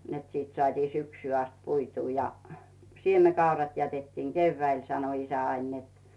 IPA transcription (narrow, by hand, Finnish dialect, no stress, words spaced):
net siːt sŏɑtʲiː syksyː ɑst puituː jɑ siemekɑurɑt jætetːiːŋ keyʋːæil sɑno isæ ɑin net